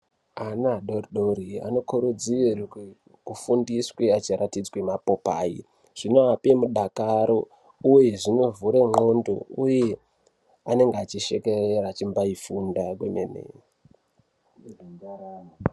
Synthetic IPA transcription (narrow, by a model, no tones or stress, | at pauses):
anaɗoriɗoɾia̰no̞kuɾud͡ziir | kufundisweat͡ʃiɾatid͡zwemapo̞paːḭ | ʐ̥ino̞apemuɗakaɾo̞ | uje̞ʐino̞vuɾemundo̰uje̞ | ane̞ŋɡeat͡ʃiʃe̞kereɾat͡ʃimbaifundakwenḛnḛ